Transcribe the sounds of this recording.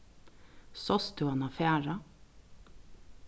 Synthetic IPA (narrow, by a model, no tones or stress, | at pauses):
sɔst̪ʉɑnɑfæːɹɑ